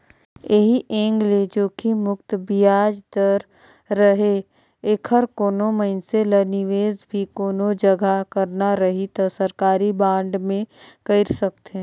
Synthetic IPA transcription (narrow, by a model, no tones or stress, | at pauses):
eɦiʔẽːŋɡled͡ʒoːkimʊkt̪bijaːd͡ʒd̪əɾ | ɾəɦe | ɪkʰəɾkoːnoməɪnselənɪʋeːzbʱikoːnod͡ʒəɡʱakəɾnaɾɐɦit̪asəɾkaːɾibãːɳɖmẽkəɪɾsɐk̚t̪ɦɛ̃ː